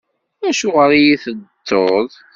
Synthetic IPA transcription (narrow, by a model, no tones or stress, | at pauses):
æʃʊʁɾijiθəd̪ːoðˤ